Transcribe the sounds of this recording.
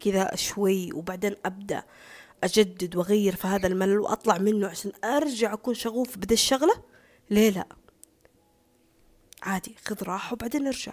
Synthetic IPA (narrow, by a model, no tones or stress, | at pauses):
kɪðaʃwajːwbaʕd̪eːnʔab̚d̪a̰ʔ | ʔad͡ʒad̪ːɪd̪wʔaɣajːɪɾfihaːðalmalalwʔɑ̰t̪ˤlɑʕmɪnːʊʕaʃaːnʔɑɾˤd͡ʒaʕʔakuːnʃaɣuːfbɪd̪aʃːaɣla | leːla̰ʔ | ʕaːd̪ixʊðɾˤɑːħawbaʕd̪eːnʔɑɾd͡ʒa̰ʕ